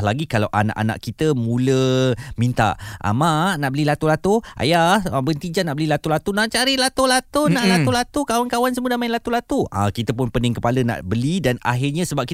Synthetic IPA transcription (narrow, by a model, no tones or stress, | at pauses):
laɡikalawʔa̰na̰ʔa̰na̰ʔkit̪əmũləmint̪a̰ʔʔa̰manaʔbəlilat̪ulat̪oʔa̰jahbənt̪id͡ʒanaʔbəlilat̪ulat̪unãʔt͡ʃaɾilat̪olat̪onaʔlat̪olat̪ukawankawansəmudamãɪnlat̪ulat̪uã̰kit̪əp̬ʊnpənɪŋkəpaləna̰ʔbəlidana̰ɦɪrɲasəbap̚ki